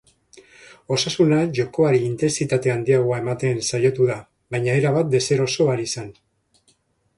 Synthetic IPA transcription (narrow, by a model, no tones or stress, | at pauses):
o̞sasunaʝo̞ko̞aɾiːnt̪e̞nsit̪at̪e̞and̪iaɣoae̞mat̪e̞nsajo̞t̪uða | βajɲae̞ɾaβat̪̚d̪e̞se̞ɾo̞so̞aɾisan